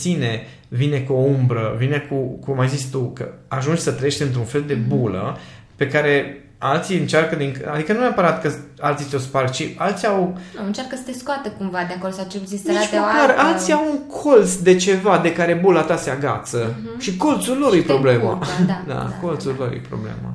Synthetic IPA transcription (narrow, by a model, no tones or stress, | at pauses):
sine̞ | vine̞kuoumbɾəvinekukumːajzit͡ʃʲt̪ukə̰aʒund͡ʒʲsət̪ɾəjeʃt̪ɨnt̪ɾunfe̞ld̪e̞bulə̰ | pe̞kaɾe̞ | alt̪siɨnt͡ʃarkəd̪iŋkəad̪ikənuneapəɾat̪kəalt̪siseosparkt͡ʃialt̪siawɨnt͡ʃarɾkəsə̥seskoat̪əkumvad̪eakoɾsat͡ʃelput̪insnit͡ʃk̪laɾalt̪siawuŋkʰo̞lt̪sd̪e̞t͡ʃe̞vad̪e̞kaɾe̞bulat̪aseaɡa̰t̪sə | ʃiko̞lt̪sullo̞ɾjepɾo̞ble̞ma̰d̪a̰ko̞lt̪sullo̞̰ɾjḛpɾo̰blḛma̰